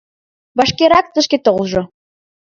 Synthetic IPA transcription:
βɑʃkeɾɑk̚t̪ə̆ʃket̪olʒɤ̆

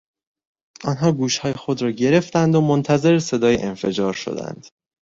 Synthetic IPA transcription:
ʔɒːnɦɒːɡuːʃhɒːje̞xo̞d̪ɾɒːɟe̞ɾe̞ft̪ænd̪omont̪ʰæze̞ɾese̞d̪ɒːjḛʔenfe̞d͡ʒɒːɾʃo̞̰d̪æ̰nd̪̥

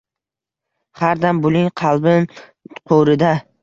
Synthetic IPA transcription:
haɾd̪ambʊlɪŋqʰɑlˠbɪn | qʰoɾɪd̪a

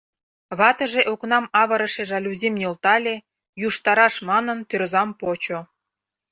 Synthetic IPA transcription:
βɑt̪ɤ̆ʒeʔoknɑmɑβɤ̆ɾɤ̆ʃeʒɑlʲuzʲemnʲelt̪ɑlʲe | juʃt̪ɑɾɑʃmɑnɤ̆nt̪ørzɑmpot͡ɕo

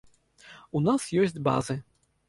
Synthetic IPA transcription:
unasjɔsʲd͡zʲba̰zɨ

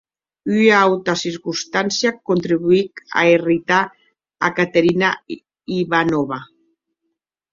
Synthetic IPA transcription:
yawt̪asiɾkust̪ansjakont̪ɾiβuika̰erit̪a | a̰kat̪eɾina | iβanɔβa

